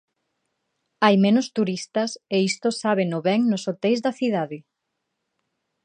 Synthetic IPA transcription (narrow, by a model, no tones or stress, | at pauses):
ajmɛ̃nʊst̪uɾist̪ɐseist̪osaβenʊβɛŋnosot̪ejzðɐθiðaðɪ